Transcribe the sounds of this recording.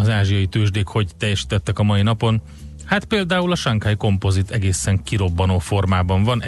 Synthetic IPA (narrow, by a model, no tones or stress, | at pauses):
ɒzaːʒijɒjit̪øːʒd̪eːkho̞ɟt̪ɛjːɛʃi̥ːt̪ɛt̪ːɛkɒmɒinɒpo̞n | hat̪peːld̪aːulɒʃɒŋkajiko̞mpo̞zit̪ɛɡeːsɛŋkiɾo̞bːɒnoːfo̞rmaːbɒɱvɒnɛ